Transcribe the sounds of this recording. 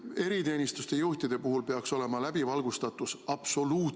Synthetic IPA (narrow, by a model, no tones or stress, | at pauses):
e̞ɾit̪e̞ːnʲist̪ust̪e̞juht̪id̪̥e̞puɦulpe̞ɑkso̞le̞mɑlæbivɑlɡ̥ust̪ɑt̪ːˑusɑb̥so̞luː